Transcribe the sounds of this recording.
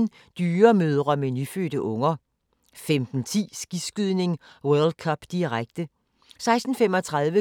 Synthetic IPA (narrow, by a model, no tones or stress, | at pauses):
n | d̥yːɐmøð̞ˠʁɐmenyfø̰ːɾ̥əʔɔ̽ŋɐ | femd̥n̩t͡sʰḭːsɡ̥isɡ̥yðˠne̝ŋ | wœɐld̥̚kʰɒb̥d̥iʁaɡ̥̚d̥ə | sɑ̈ɪsd̥n̩femɒ̽t͡sʰʁɑðˠʋə